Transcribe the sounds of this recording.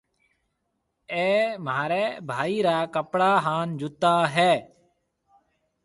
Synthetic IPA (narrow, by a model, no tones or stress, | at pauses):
eːmaːɾeːbʱaːiːɾaːkəpɽaːɦaːnd͡ʒʊt̪aːɦɛː